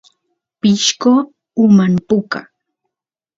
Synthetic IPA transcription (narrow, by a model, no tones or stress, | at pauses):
pɪʃko | ʊmanpʊka̰